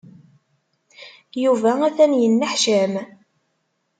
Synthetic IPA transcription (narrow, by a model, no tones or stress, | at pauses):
juvææθænjənːəħʃæm